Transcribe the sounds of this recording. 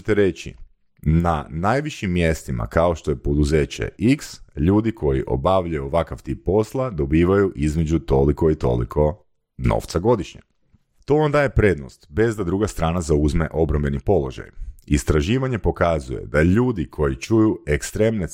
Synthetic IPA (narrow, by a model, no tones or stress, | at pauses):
t̪eɾet͡ɕḭ | nanajʋiʃimːje̞st̪ima̰kao̞ʃt̪o̞je̞po̞d̪uze̞ːt͡ɕḛiksʎuːd̪ikʰo̞jḭʔo̞̰baʋʎajuʋakaʋt̪ip̚ːo̞slˠad̪o̞biːʋajuʔizme̞d͡ʑut̪o̞liko̞it̪o̞̰lḭkʰo̞ | no̰ʋt̪saɡo̞d̪iʃɲḛ | t̪o̞and̪aːje̞pɾe̞d̪no̰st̪be̞zd̪ad̪ɾuɡast̪ɾaːnazauzme̞ʔo̞bɾambe̞nipo̞lo̞ʒa̰jist̪ɾaʒiːʋaɲe̞po̞kazuje̞̰d̪aʎuːd̪ikʰo̞jit͡ʃujuekst̪ɾemne